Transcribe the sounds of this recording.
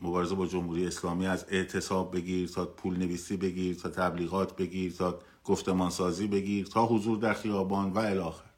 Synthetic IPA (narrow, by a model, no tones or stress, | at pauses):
mo̞bɒːɾeze̞bɒːd͡ʒo̞mhuːɾijeeslɒːmiːæze̞ʔt̪ʰe̞sɒːb̚ːe̞ɡiːɾt̪ʰɒːpʰuːlne̞viːsiːbe̞ɡiːɾt̪ʰɒːt̪ʰæbliːɣɒːt̪ʰbe̞ɡiːɾt̪ʰɒː | ɡ̥oft̪e̞mɒːnsɒːziːbe̞ɡiːɾt̪ʰɒːɦozuːɾd̪æɾxijɒːbɒːnvæelɒːxeɾ